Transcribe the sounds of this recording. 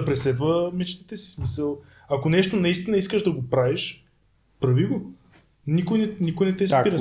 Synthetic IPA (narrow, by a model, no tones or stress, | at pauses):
ɐpɾɛslɛd̪vəmɛt͡ʃt̪it̪ɛsi̥smisəlˠ | akonɛʃt̪onɐist̪inɐiskəʒd̪ɐɡopɾaviʃ | pɾɐviɡo | nikojnɛnikojnɛt̪ɛsiɾə